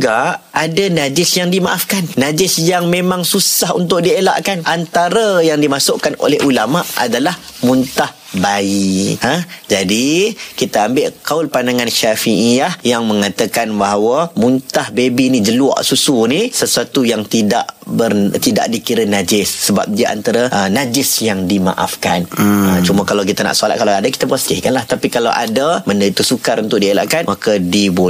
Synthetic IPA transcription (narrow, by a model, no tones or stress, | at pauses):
ɡaʔ | adanad͡ʒɪsjaŋdimaʔafkanːad͡ʒɪsjaŋmẽmãŋsusahṵnt̪̬ʊʔ̚diela̰ʔkanʔant̪aɾajaŋdimasʊʔkano̰lɛɦulamaʔa̰dalahmunt̪ah | baiəd͡ʒadikit̪aambɪʔkaʊlpandaŋanʃafiʔiahjaŋmə̃ŋat̪akanbaɦwamunt̪ahbebinĩd͡ʒəlua̰ʔsusunisəsuat̪ujaŋt̪ida̰ʔbərt̪ida̰ʔ̚dikiɾənad͡ʒɪsːəba̰p̚diaʔa̰nt̪aɾaʔənad͡ʒɪsjaŋdima̰ʔa̰fkanət͡ʃumakalawk̬it̪ana̰ʔsolat̪̚kalaadaki̥t̪apast̪ɪhkanlaht̪apikalawʔa̰daməndait̪usukaɾunt̪ʊʔ̚diela̰ʔkanmakadibo